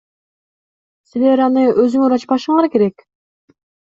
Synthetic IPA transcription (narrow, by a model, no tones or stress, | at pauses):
sɪleɾɑnɨʔøzyŋɪɾɑt͡ʃpʰɑʃɨŋɑɾkʲʰeɾɛkʲ